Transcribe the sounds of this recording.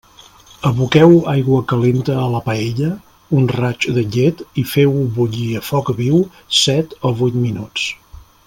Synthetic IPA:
əβukɛwajɣwəkəlent̪əːləpəeʎə | unrat͡ʃd̪əʎet̪ifɛwβuʎiəfɔkβiw | sɛt̪oβujt̪minut͡s

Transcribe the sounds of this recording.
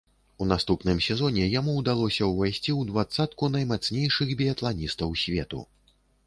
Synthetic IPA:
un̪ast̪upnɨmsʲɛzɔnʲɛjamuːd̪alˠɔsʲɐwvajsʲt͡sʲiwd̪vat̪sat̪kun̪ɐjmat̪snʲejʂɨxbʲiɐt̪lˠanʲist̪ɐwsʲvʲet̪ṵ

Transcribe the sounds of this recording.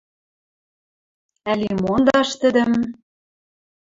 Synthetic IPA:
ælimond̪ɑʃt̪ə̆d̪ə̆m

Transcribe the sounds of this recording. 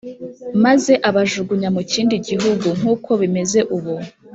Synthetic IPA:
maze̞ʔaβaʒuɡuɲamuciːndiɟiɦuɡuŋ̥uːkʰo̞βime̞ze̞ʔuβu

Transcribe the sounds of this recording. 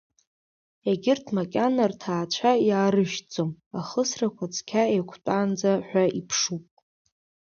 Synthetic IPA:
eɡʲɪrtʰmakʲʼanartʰaːt͡ʃʷʰajaːɾɨʃt͡sʼomaχəsrakʷʰat͡sʰkʲʰaejkʷʰt͡pʼaːnd͡zaħʷᶣaipʰʂupʼ

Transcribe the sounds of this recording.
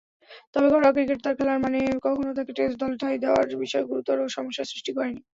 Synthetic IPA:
t̪ɔbekɔɾɔkɾiɡeʈt̪aɾkʰɛlaɾmanekɔkʰonot̪ʰakeʈesd̪ɔlʈ̪ʰajd̪eoa̰ɾbiʃɔeɡuɾut̪ɔɾoʃɔmoʃːasɾiʃʈikɔɾeni

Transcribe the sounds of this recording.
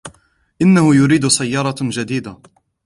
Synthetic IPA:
ʔɪnːahʊjʊɾiːd̪ʊsajːɑɾˤɑd͡ʒad̪iːd̪a

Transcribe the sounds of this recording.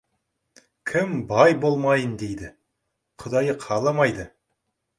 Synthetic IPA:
kʲʰɪmbɑjbo̞lˠmɑjənd̪ejd̪ɪ | qʰʊd̪ɑjəqʰɑlˠɑmɑjd̪ə

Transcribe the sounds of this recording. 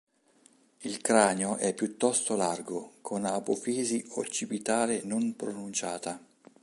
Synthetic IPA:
ilkɾaːnjoʔɛpːjut̪ːɔst̪olarɡokʰonapofiːziot͡ʃːipit̪aːɾenonpɾonunt͡ʃaːt̪a

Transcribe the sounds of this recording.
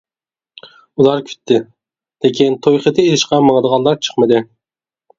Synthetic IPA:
ulˠɑɾkʲʰy̥t̪ʰːɪ | lekʲʰint̪ʰojχət̪ʰɪelɪʃqɑmɑŋəd̪əʁɑnlˠɑɾt͡ʃʰə̥χmɨd̪ɪ

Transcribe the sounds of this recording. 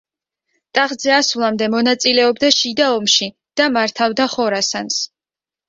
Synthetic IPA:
t̪ʼaʁd̪zɛasvlˠamd̪ɛmɔnat̪sʼilɛɔbd̪aʃid̪aɔmʃi | d̪̥amaɾt̪ʰavd̪aχɔɾasans

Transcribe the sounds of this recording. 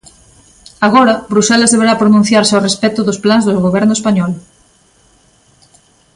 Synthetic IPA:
aɣ̞ɔɾɐbɾusɛlɐzðeβ̞eɾapɾonũn̟θjaɾsɪorespɛt̪ʊðʊsplanzðʊɣoβɛɾnʊespaɲɔl

